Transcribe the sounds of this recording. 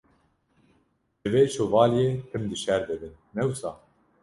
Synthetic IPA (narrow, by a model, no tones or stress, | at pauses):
ʒɨveːt͡ʃʰoːvɑːlijeːt̪ʰɨmd̪ɨʃɛɾd̪ɨbɨn | nɛwsɑː